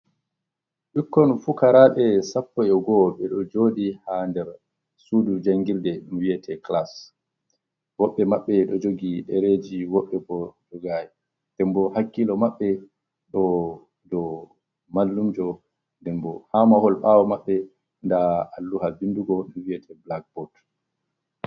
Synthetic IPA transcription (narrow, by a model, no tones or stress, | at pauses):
ɗikːɔnfukaɾaɓɛsapːɔjɛɡɔɓɛɗɔd͡ʒodihandɛɾ | sudud͡ʒaŋɡildɛɗumwiɛtʰɛklas | wɔɓːɛmaɓːɛɗɔd͡ʒoɡiɗɛɾed͡ʒiwɔɓːɛbɔd͡ʒɔɡajɛ | d̥ɛmbɔhakːilɔmaɓːɛ | ɗɔ | dɔ | malːumd͡ʒɔ | ndɛnbɔhamahɔlɓawɔmaɓːɛ | ndaalːuhabinduɡɔɗumwijɛtʰɛblaɡ̚bɔt